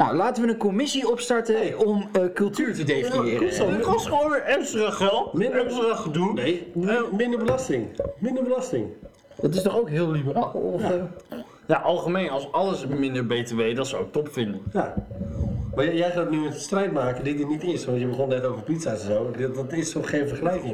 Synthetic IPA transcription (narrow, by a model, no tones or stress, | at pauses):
na̰wlaːtəʋənənkomɪsiɔpstɑɹtəɔmkɵlˠtyːɹtədejnjɪːrsɔsχojnʋɪːɹɛmstraχʋɛlˠmɪnəsraχədunejmɪndəɹbəlɑstɪŋmɪ̃ndəɹbəlɑstɪŋ | dɑtɪstɔχowkɦɪːlˠlibəraːlˠɔf | jaʔɑlˠχəmejnɑlˠsɑləsmɪndəɹbejteʋejdɑtsawɪk̚tɔpfɪndənja | majjɛjχaːtnymɛtəstrɛjtmaːkədɪt̚dinitɪsʋɔntjəbəχɔnnɛtowvəɹpitsasɛnzowdtɪstɔχχejnfəɹχəlɛjkɪŋ